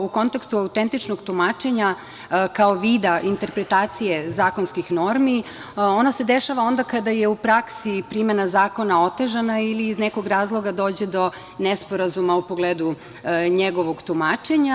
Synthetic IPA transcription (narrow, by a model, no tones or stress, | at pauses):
uko̞nt̪ekst̪uawt̪ent̪it͡ʃnoɡt̪umaːt͡ʃe̞ɲa | kaoʋiːd̪aʔint̪e̞ɾpɾet̪aːt̪sije̞zaːko̞nskixno̞ɾmi | o̞nase̞d̪eʃaʋao̞nd̪akad̪aje̞upɾaksipɾime̞nazaːko̞naot̪e̞ʒanailiːzneko̞ɡɾaːzlˠo̞ɡad̪o̞ːd͡ʑed̪o̞ | nespo̞ɾazumaupoɡleːd̪u | ɲeɡo̞ʋo̞ɡt̪umaːt͡ʃe̞ɲa